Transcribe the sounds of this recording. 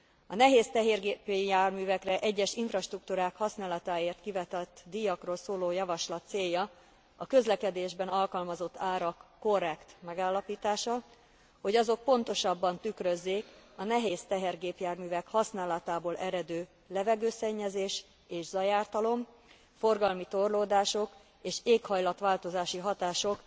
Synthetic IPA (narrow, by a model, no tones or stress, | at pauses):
ɒnɛɦeːst̪ɛɦeːrɡeːpjaːrmyːvɛkrɛʔɛɟːɛʃiɱfrɒʃt̪rukt̪uːɾaːkhɒsnaːlɒt̪aːeːrt̪kivɛt̪ɛt̪ːd̪ijɒkroːlsoːloːjɒvɒʃlɒt̪seːjːɒ | ɒkø̞zlɛkɛd̪eːʒbɛnɒlkɒlmɒzo̞t̪ːaːɾɒkːo̞rːɛkt̪mɛɡaːlːɒpiːt̪aːʃɒ | ho̞ɟɒzo̞k̚po̞nt̪o̞ʃɒbːɒnt̪ykrøzːeːkɒnɛɦeːst̪ɛɦɛrɡeːpjaːrmyːvɛkhɒsnaːlɒt̪aːboːlɛɾɛd̪øː | lɛvɛɡøːsɛɲːɛzeːʃ | eːʒzɒjaːrt̪ɒlo̞m | fo̞rɡɒlmit̪o̞rloːd̪aːʃo̞k | eːʃeːkhɒjlɒt̪ʋaːlt̪o̞zaːʃiɦɒt̪aːʃo̞k